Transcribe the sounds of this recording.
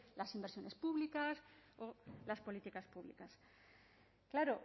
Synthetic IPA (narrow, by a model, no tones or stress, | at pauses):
lasimbeɾsjo̞ne̞spuβlikasolaspo̞lit̪ikaspuβlḭkas | klaɾo